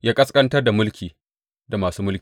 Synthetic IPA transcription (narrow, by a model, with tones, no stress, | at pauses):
jaː˦kʼɐ˦skʼɐ˦ntɐ˦rda˨mʊ˦lkʲiː˨ | da˨maː˨suː˦mʊ˦lkʲː